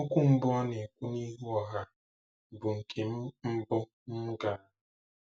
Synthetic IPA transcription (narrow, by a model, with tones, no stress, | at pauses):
ʊ˦kʷu˦m̩˦bʊ˦ɔ˦ne˨kʷu˦ni˦ɦu˦ɔ˨ɦa˦ | bʊ˨ŋ̩˨kʰe˨m̩˦m̩˦bʊ˦ | m̩˦ɡa˨˦